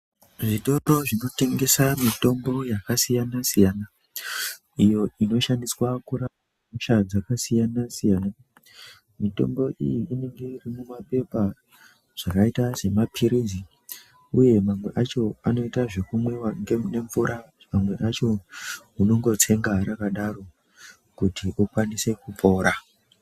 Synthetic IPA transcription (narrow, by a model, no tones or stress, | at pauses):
ʐito̞ɾo̞ʐino̞te̞ŋɡe̞samito̞mbo̞jakasijanasijaːna | ijo̞ino̞ʃandiswakuɾa | muʃad͡zakasijanasijaːna | mito̞̰mbo̞ʔḭjiːne̞ŋɡe̞irimumape̞pa | ʐ̥akaitaʐe̞mapʰiɾizi | uje̞mamwe̞ʔat͡ʃo̞ano̞itaʐe̞kumwewaŋɡene̞ɱvuɾʔa | mamwe̞ʔat͡ʃo̞uno̞ŋɡo̞t͡sʰe̞ŋɡaɾakaɗaro̞ | kutiʔukwanise̞kup͡fo̞ːɾa